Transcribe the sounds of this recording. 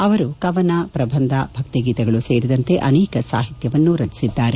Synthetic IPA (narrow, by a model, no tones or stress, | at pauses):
ɐʋɐɾukɐʋɐnapɾɐbʱɐnd̪ʱɐbʱɐk̚t̪iɡiːt̪ɐɡɐɭuseːɾid̪ɐnt̪e̞ʔɐnɛːkɐsaːɦit̪jɐʋɐnːuɾɐd͡ʒi̥sid̪ːaːɾe